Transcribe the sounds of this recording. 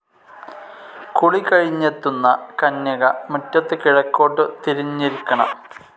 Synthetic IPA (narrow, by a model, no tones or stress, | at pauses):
kuɭikɐɻiɲːet̪ːunːɐkɐnːɐɣɐmutːɐt̪ːekiɻɐkːo̞ːʈːɨt̪iɾiɲːiɾikːɐɳɐ̰m